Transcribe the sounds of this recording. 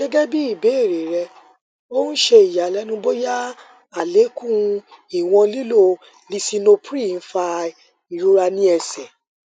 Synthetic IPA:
ɡɛ˦ɡɛ˦bi˦i˦˨be˨˦e˦˨ɾe˨ɾɛ˧ | o˦n̩˦ʃe˧i˨ja˨˦˨lɛ˨˦nũ˦bo˦ja˦ | a˨le˨˦kũ˦i˨w̃ɔ̃˧li˦lo˦˨ | li˧si˧no˧pɾi˦˨n̩˦fa˧ | i˨ɾu˦ɾa˧nĩ˦ɛ˧sɛ˨

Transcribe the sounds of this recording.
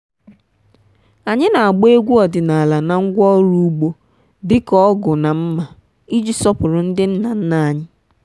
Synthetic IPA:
a˨ɲɪ˦na˨a˨ɡ͡be˦ɡʷu˦ɔ˨dɪ˨na˨a˨la˨na˨ŋ̩˦ɡʷɔ˦ɾu˦ɡ͡bo˦ | dɪ˦kɔ˦ɡʊ˨na˨m̩˦ma˨ | i˦d͡ʒi˦sɔ˦pʊ˨ɾʊ˨n̩˦dɪ˦n̩˦na˨n̩˦na˨a˦˨ɲɪ˦

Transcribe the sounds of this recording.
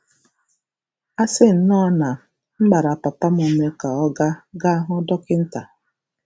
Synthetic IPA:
a˦sɪ˦n̩˦nɔ˦na˨ | m̩˦ɡ͡ba˨ɾa˨pa˨pa˦m̩˦o˨me˦ka˨ɔ˦ɡa˦ɡa˦a˦ɦʊ˦dɔ˦kɪ˦n̩˦ta˨

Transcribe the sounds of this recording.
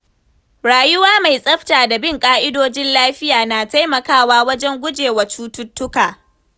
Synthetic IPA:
ɽaː˨jʊ˦waː˦ma˨jsʼɐ˦ɸtaː˨da˨bɪ˦˨ŋkʼaː˦ʔɪ˦doː˦d͡ʒɪ˦nlaː˦ɸɪ˦jaː˨naː˨ta˦jmɐ˨kaː˦˨waː˦wɐ˦d͡ʒɛ˦ŋɡʷʊ˦d͡ʒeː˨wa˨t͡ʃuː˦tʊ˦tːʊ˦kaː˨

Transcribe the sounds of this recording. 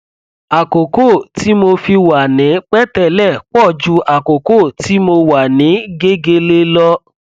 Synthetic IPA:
a˨ko˨ko˦˨ti˨˦mo˧fi˧wa˨nĩ˨˦k͡pɛ˦tɛ˦˨lɛ˦˨k͡pɔ˦˨d͡ʒu˧˦ʔa˨ko˨ko˦˨ti˨˦mo˧wa˨nĩ˨˦ɡe˦ɡe˧le˧lɔ˧

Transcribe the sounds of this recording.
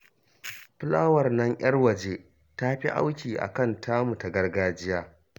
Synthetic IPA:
ɸʊ˦laː˦wɐ˨rnɐ˦ŋʔj̰ɐ˦rwɐ˨d͡ʒe˦ | ta˦ɸi˦ʔa̰˦wkʲiː˨ʔa̰˨kɐ˦˨ntʰaː˦mu˨ta˨ɡɐ˦rɡaː˦d͡ʒɪ˦jaː˦

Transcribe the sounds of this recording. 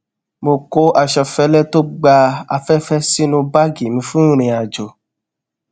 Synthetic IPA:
mo˧ko˦a˧ʃɔ˧fɛ˧˦lɛ˦to˦ɡ͡ba˧a̰˧fɛ˦fɛ˦si˦nũ˧ba˦ɡi˨mĩ˧fũ˦ɾ̃ĩ˧a˨d͡ʒo˨

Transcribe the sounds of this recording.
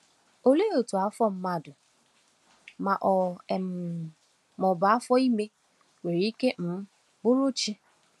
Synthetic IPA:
o˨le˦o˨tu˨a˨˦fɔ˦m̩˦ma˦dʊ˨ | ma˨ʔɔ˨ɛ˨m˨ | mɔ˨ba˨a˦fɔ˦i˦me˦ | we˨ɾi˨i˦ke˦m̩˦ | bʊ˦ɾo˦t͡ʃi˦

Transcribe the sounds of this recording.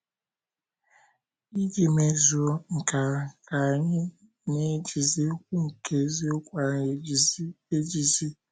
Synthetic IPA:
i˦d͡ʒi˨me˨zu˨o˦ŋ̩˨ka˨ka˨ɲɪ˦ | ne˦d͡ʒi˨zi˦o˦kʷu˦ŋ̩˨kʰe˨˦zi˦o˦kʷa˨˦e˦d͡ʒi˨zi˦

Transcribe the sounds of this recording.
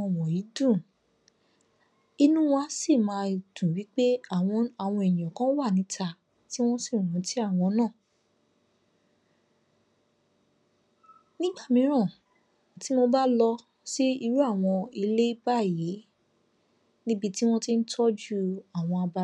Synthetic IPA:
ɔ̃˧˨wɔ̃˨ji˨˦dũ˦˨ | i˧nũ˦w̃ɔ̃˦˧˦si˦˨mã˨˧˨tũ˨wi˨˦k͡pe˦a˨˧a˨w̃ɔ̃˧ɛ˨j̃ɔ̃˨kã˦wa˦˨nĩ˨˧tʰa˧ | ti˦w̃ɔ̃˦si˦˨ũ˨˦ti˦a˦˨w̃ɔ̃˧nãː˦˨ | nĩ˦ɡ͡ba˦˨mĩ˧ɾ̃ã˦˨ | ti˨˦mo˧ba˦lɔ˧ | si˦i˧ɾu˦a˦˨w̃ɔ̃˧i˧le˦ba˦˨ji˨˦ | nĩ˦bi˧ti˦w̃ɔ̃˦ti˦n̩˦tʰɔ˦d͡ʒu˦a˦˨w̃ɔ̃˧a˧ba˧˦

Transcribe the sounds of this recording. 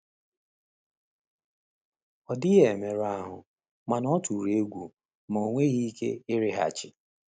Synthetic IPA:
ɔ˨dɪ˦ɣe˨me˨ɾa˦ɦʊ˨ | ma˨nɔ˦tu˨ɾe˦ɡʷu˨ | mo˨ŋʷe˦ɣi˦kḛ˦ɪ˦ɾɪ˦ɦa̰˨t͡ʃɪ˨

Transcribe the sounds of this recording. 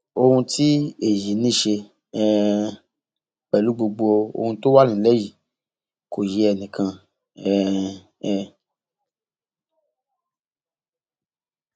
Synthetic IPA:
o˧hũ˧tʰi˦e˦˨ji˨˦nĩ˦ʃe˧ | ɛ˦ | k͡pɛ˨lu˨˦ɡ͡bo˧ɡ͡bo˧o˧o̰˧hũ˧to˦wa˦nĩ˦˨˦lɛ˦ji˨ | kʰo˨je˨˦ɛ˧nĩ˨kʰã˧ | ɛ˦˧ | ɛ˦˧

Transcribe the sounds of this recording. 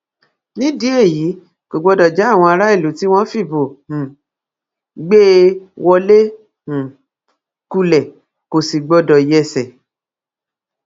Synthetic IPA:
nĩ˦di˦e˦˨ji˨˦ | ko˨ɡ͡bɔ˧dɔ˨d͡ʒɛ˨˦a˦˨w̃ɔ̃˧a˧ɾa˦i˦˨lu˨˦ti˦w̃ɔ̃˦fi˦˨bõ˨ | ɡ͡be˦wɔ˧lẽ˦˨ | ku˧lɛ˨ | ko˨si˨ɡ͡bɔ˧dɔ˨jɛ˦˧˨sɛ˨

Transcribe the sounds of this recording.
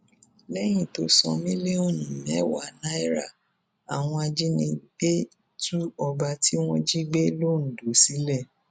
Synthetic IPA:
lɛ˦j̃ĩ˦˨to˨˦sɔ̰˧mĩ˦le˦o˦˨nĩ˨mɛ̃˨˦wa˦˨na˦i˦ɾa̰˦˨ | a˨w̃ɔ̃˧a˧d͡ʒi˦nĩ˧ɡ͡be˦ | tu˦ɔ˧ba˧ti˦w̃ɔ̃˦d͡ʒi˦ɡ͡be˦lo˦n̩˨do˨˦si˨˦lɛ˦˨

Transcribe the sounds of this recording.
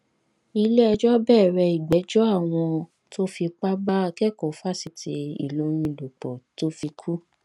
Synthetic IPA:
i˧le˦ɛ˧d͡ʒɔ˦bɛː˦˨ɾɛ˧i˨ɡ͡bɛ˨˦d͡ʒɔ˦a˦˨w̃ɔ̃˧ | to˦fi˧k͡pa˦ba˦˧kɛ˦ko˨˦fa˦˨si˨ti˧ḭ˨lo˧˦ɾ̃ĩ˧˨do˨k͡pɔ˨to˦fi˧kʰu˦

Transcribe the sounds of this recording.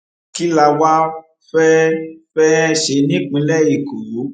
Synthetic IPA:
ki˦la˧wa˦ | fɛ˦fɛ˦ʃe˨˧˦nĩ˦k͡pĩ˨˧˦lɛ˦˨ji˨ku˨ju˨˦

